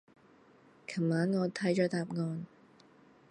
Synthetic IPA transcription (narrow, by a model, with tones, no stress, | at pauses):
kʰɐ˨˩mːaː˨˥nŋɔː˨˧t̪ʰɐ˨˥jt͡ʃɔː˨˥t̪aː˨p̚ŋɔː˧n